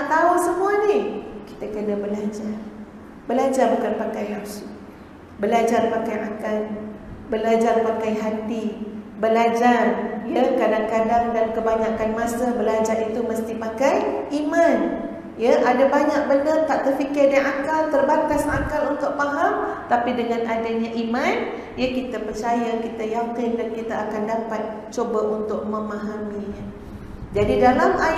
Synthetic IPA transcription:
naʔt̪awaŋsəmũanikit̪akənabəlad͡ʒar | bəlad͡ʒarbukanpakajɦapsi | bəlad͡ʒarpakajakalbəlad͡ʒarpakajɦat̪ibəlad͡ʒarjakadaŋkadaŋdankəbaɲakanmasabəlad͡ʒarit̪uməst̪ipakajʔimãn | jaʔadabaɲak̚bəndərt̪aʔt̪ərfikɪrdaŋakalt̪ərbankasakalunt̪ʊʔ̚paɦamt̪apidəŋãnadaɲaʔimãn | jakit̪apərt͡ʃajakit̪ajakɪndankit̪aakandapat̪̚ | t͡ʃobaʔunt̪ʊk̚məmãɦamiɲa | d͡ʒadidalama

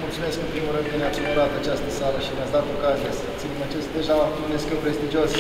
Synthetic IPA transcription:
mult̪sume̞skɨnpɾimulɾɨnd̪k̪ɨnapɾiməɾat̪at͡ʃast̪əsaɾəʃineat̪sd̪at̪o̞kazijesət̪sinmət͡ʃestd̪e̞ʒaauneskewpɾe̞st̪id͡ʒios

